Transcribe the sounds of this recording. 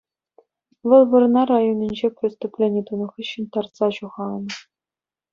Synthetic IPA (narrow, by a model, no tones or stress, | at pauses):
ʋɤ̆lˠʋɤ̆rnɑɾajonʲinʲd͡ʑeprʲɪst̪uplʲenʲiijt̪unɤ̆χiɕːɘ̆nʲt̪ɑrsɑɕuʁɑn̆